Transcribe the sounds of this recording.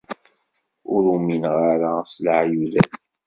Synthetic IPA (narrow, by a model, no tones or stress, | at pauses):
ʊɾuminʁaɾasləʕjuðæθ